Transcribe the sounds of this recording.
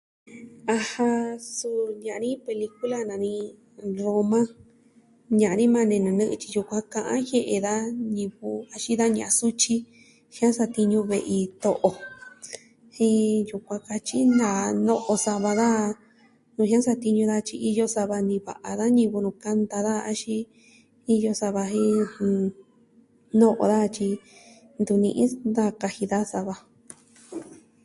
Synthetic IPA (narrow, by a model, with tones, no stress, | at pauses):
a˧ha˧su˧˨ɲã˨˧nĩ˦pe˧li˧ku˦la˦nã˨nĩ˧ | ɾo˧mã˦ | ɲã˨˧nĩ˦mã˧nẽ˧nɨ̃˨˧nɨ̃˦ʔɨ˧t͡ʃi̥˧ju˧kʷã˧kã˧ʔã̰˦hje˦˧ʔe˧ða˦ɲĩ˧βu˧a˧ʃi˦ða˦ɲã˨ʔa˧su˦t͡ʃi˦ | hj̃ã˦sa˧t̪i˧ɲũ˧βe˧ʔi˧t̪o˧ʔo˧ | hĩ˧˦ju˧kʷã˧ka˧t͡ʃi˦nã˨nõ˦ʔo˧sa˧βa˧ða˦ | nũ˨˧ɦĩ˦ã˦sa˧t̪i˧ɲũ˧ða˧t͡ʃi˧ʔi˧jo˧sa˧βa˧nĩ˧βa̰˨ʔa˨ða˦ɲĩ˧βu˧nũ˧˨ka˧nd̪a˧ða˦˧a˧ʃi˦ | i˧jo˧sa˧βa˧ɦĩ˦˧ | nõ˦ʔo̰˧ða˦˧t͡ʃi˧ | nd̪u˧˨nĩ˧ʔĩ˦d̪a˦ka˧hi˧ða˦sa˧βa˧